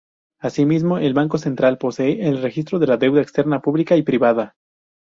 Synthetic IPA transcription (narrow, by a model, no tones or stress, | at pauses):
asimizmo̞ʔe̞lβaŋko̞se̞nt̪ɾalpo̞seeʔelre̞xist̪ɾo̞ðe̞laðe̞wðaekst̪e̞ɾnapuβlikaipɾiβað̞a